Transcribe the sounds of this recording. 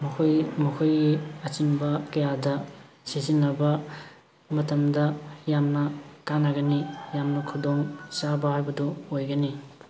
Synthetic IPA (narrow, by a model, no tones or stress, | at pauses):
mɐkʰojmɐkʰujɡiɐt͡ʃinbɐkɐjadɐ | sizinːɐbɐ | mɐtɐmdɐjamnɐkanːɐɡɐnijamnɐkʰudoŋsabɐhajbɐduojɡɐni